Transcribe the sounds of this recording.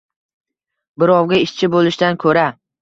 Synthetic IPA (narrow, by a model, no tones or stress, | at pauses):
bɪɾɒwɡʲaɪʃt͡ʃʰɪbolɪʃt̪ankʰɵɾa